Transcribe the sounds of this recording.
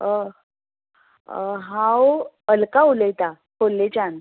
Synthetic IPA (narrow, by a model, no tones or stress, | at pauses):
ə | ɦãw | əlkauləjt̪a | kʰolːet͡ɕan